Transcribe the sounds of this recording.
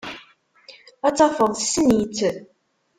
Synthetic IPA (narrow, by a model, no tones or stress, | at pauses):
æt͡sːɑfəðˤsənjət͡sːə